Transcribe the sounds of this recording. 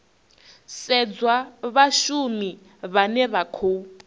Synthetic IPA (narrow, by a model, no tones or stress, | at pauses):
sɛd͡zwaβaʃumi | βanɛβakʰo